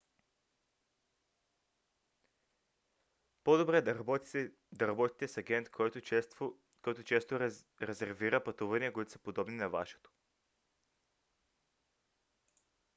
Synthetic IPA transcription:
pod̪obɾɛ | d̪ɐɾɐbɔt̪i̥t̪ɛsɐɡɛnt̪k̪ | kɔjt̪ot͡ʃɛst̪o | ɾɛzɛɾviɾɐpɐt̪uvɐniɐkoit̪o̥sɐ̥pod̪ɔbninɐva̰ʃɛ̥t̪o̥

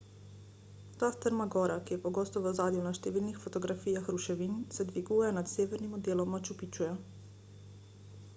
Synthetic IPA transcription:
t̪aːst̪əɾmaɡɔːɾakijɛpɔɡoːst̪ɔʋəzaːd̪junaʃt̪ɛʋiːlnixfɔt̪ɔɡɾafiːjaxɾuʃɛʋinsɛd̪ʋiɡuːjɛnat̪seːʋɛɾnimɔd̪eːlɔmat͡ʃupit͡ʃujɛ

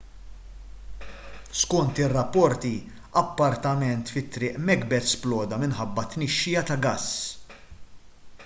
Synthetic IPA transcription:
skɔnt̪ɪrːɐpːɔɾt̪i | ɐpːɐɾt̪ɐmɛnt̪fɪt̪ːɾɪːʔmɛɡbɛt̪splɔːd̪ɐmɪnħɐbːɐt̪nɪʃːɪjɐt̪ɐɡɐsː

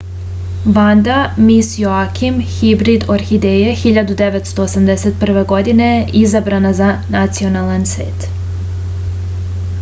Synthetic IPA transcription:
ʋand̪amisjoakʰimhibɾid̪oɾxid̪ejexiʎad̪ud̪eʋet̪st̪o̞ːsamd̪eset̪̚pr̩ʋe̞ɡo̞d̪ine̞jeʔizabɾanazanat̪sio̞nalˠansʋḛːt̪

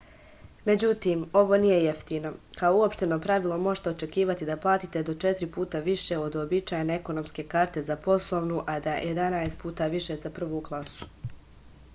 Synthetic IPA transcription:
me̞d͡ʑut̪iːmo̞ʋo̞nije̞jeft̪iːno̞kaouo̞pʃt̪e̞no̞pɾaʋilˠo̞mo̞ʒt̪eo̞t͡ʃe̞kiːʋat̪id̪aplˠaːt̪it̪e̞d̪o̞t͡ʃet̪ɾipuːt̪aʋiʃe̞o̞d̪obit͡ʃaːjeneeko̞no̞mske̞kaːɾt̪e̞zapo̞slˠo̞ʋnuʔad̪ajʔe̞d̪anaest̪̚puːt̪aʋiʃe̞zapr̩ʋuːɡlˠasu̥

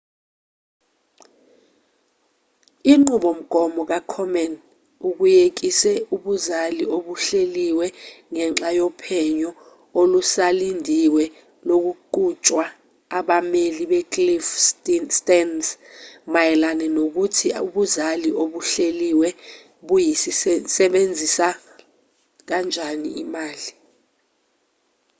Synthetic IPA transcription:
iŋ͡ǃuɓom̩ɡ̥ʱɔmɔk̬akʰɔmɛn | uk̬ujek̬isɛuɓuzalioɓuɬeliwɛŋɛŋ͡ǁajɔpʰɛɲɔ | olusalindʱiwɛ | lok̬uǃut͡ʃʼwa | aɓameliɓɛkʼlifstɛnsmajɛlanɛnok̬utʰiuɓuzaliʔoɓuɬeliwɛ | ɓujisisɛɓend͡zʱisa | k̬and͡ʒʱanḭimaːli

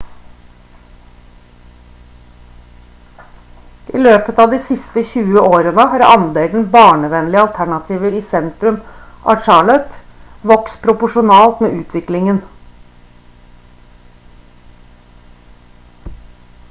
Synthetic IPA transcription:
ʔḭːløːpət̪ɑːʋd̪iːsɪst̪əçʉːəʔoːɾənəhɑːɾɑ̰nd̪eːn̩bɑːɳəʋɛnlɪəɑlt̪ʰæɳɑt̪ʰiːʋəɾiːsɛnt̪ɾʉmʔɑ̰ːt͡ʃɑːɭœt̪ʋɔkspʰɾʊpʊʂʊnɑːlt̪mḛːʔʉːt̪ʰʋɪklɪŋən

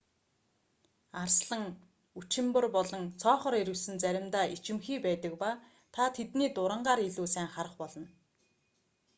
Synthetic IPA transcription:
arsɮə̆ŋ | ut͡ɕɪ̆mpɵ̆rpɔɮɞ̆ŋt͡sʰɔːχɞ̆ɾeɾɘ̆wɮsɘ̆nt͡sæɾʲɪ̆mt̪aːʔit͡ɕɪ̆mxiːpæːt̪ə̆kpaː | t̪ʰat̪ʰet̪niːt̪ʊɾə̆ɴɢaːɾiɮuːsæːŋχaɾə̆χpɔɮɞ̆n

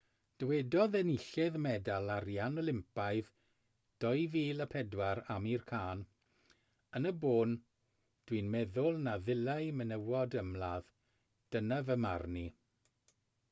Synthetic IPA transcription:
d̥əwɛdɔðɛnɪɬɛðmɛdalˠaɾjanɔlˠɪmpaɨð | d̥ɔjviːlˠəpʰɛdwaɾamirkʰaːn | ənəboːn | d̥winmɛðʊlˠnaðɪlˠajmənəwɔdəmlað | d̥ənavəmarni

